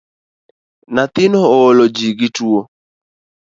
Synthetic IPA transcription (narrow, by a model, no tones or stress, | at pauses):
nat̪ɪnɔːlod͡ʒiɡɪtuo